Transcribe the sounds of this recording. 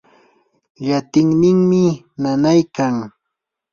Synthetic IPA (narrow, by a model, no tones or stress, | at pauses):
ʎat̪ɪŋnɪŋmɪ | nanajkaŋ